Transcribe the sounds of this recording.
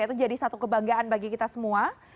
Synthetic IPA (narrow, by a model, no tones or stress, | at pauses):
ait̪ud͡ʒadisat̪ukəbaŋɡaanbaɡikit̪asəmua